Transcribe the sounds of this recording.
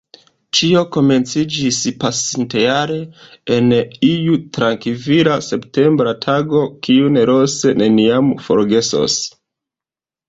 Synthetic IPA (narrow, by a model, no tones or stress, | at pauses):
t͡ʃio̞ko̞me̞nt͡sid͡ʒispasintejaɾe̞enijutɾaŋkiviɾase̞pte̞mbɾatʰaɡo̞kiune̞ɾo̞se̞ne̞niamfo̞̰ɾɡe̞so̰s